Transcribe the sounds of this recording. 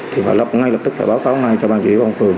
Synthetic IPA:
t̪ʰi˨˩va̰ː˨˩lə˨˩p̚ŋa˧jlə˨˩t̪ɨ˦˥k̚faː˧˩ɓaː˨˦wkaː˨˦wŋa˧jt͡ɕɔ˧ɓaː˧˨nt͡ɕḭ˧˨˦kɔ˧ŋ͡mfɨ˨˩əŋ

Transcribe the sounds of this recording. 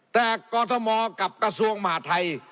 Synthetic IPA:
t̪ɛː˨˩kɔː˧t̪ʰɔ˧mɔː˧ka˨˩p̚kɾa˧su˧əŋma˧ha̰ː˩˦˥t̪ʰa˧j

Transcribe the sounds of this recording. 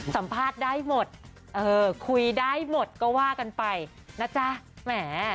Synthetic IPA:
sa˩˦mpʰaː˥˩t̪̚daː˥˩jmo˨˩t̪̚ | ʔɤː˧kʰu˧jdaː˥˩jmo˨˩t̪̚kɔː˥˩waː˥˩ka˧npa˧j | na˦˥˩t͡ɕa˦˥mɛː˩˦

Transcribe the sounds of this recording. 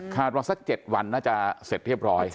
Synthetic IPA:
kʰaː˨˩t̪̚waː˧sa˧˥k̚t͡ɕe˨˩t̪̚wa˧nːaː˥˩t͡ɕa˨˩se˨˩t̪̚ɾi˥˩əp̚ɾɔː˦˥j

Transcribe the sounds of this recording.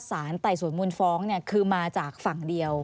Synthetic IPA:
saː˩˦nt̪a˨˩jsu˨˩ə˦nmu˧nfɔː˦˥ŋni˥˩ɐkʰɯː˧maː˧t͡ɕaː˨˩k̚fa˨˩ŋdi˧əw

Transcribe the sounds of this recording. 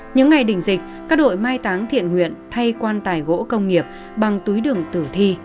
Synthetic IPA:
ɲɨ̰˧˥ŋːa˨˩jɗï˧˩ŋ̟zï˨˩k̟̚kaː˦˥k̚ɗo̰˧˨jmaː˧jt̪aː˨˦ŋt̪ʰḭ˧˨ənŋwḭ˧˨ənt̪ʰa˧jkwaː˧nt̪aː˨˩jɣo̰˧˥kə˧wŋ͡mŋi˨˩əp̚ | ɓa˨˩ŋt̪u˨˦jɗɨ˨˩əŋt̪ɨ˧˩t̪ʰi˧

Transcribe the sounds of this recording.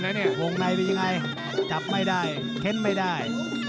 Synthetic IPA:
na˦˥nːi˥˩ɐwo˧ŋna˧je˧ja˧ŋa˧j | t͡ɕa˨˩p̚ma˥˩jdaː˥˩j | k̪ʰe˦˥˩n̚ma˥˩jdaː˥˩j

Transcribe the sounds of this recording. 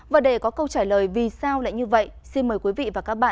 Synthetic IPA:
vaː˨˩ɗe˧˩kɔ˨˦kə˧wt͡ɕaː˧˩ləː˨˩jvi˨˩saː˧wla̰ː˧˨jɲɨ˧və̰˧˨jsi˧nməː˨˩jkwi˨˦vḭ˧˨vaː˨˩kaː˦˥k̚ɓa̰ː˧˨

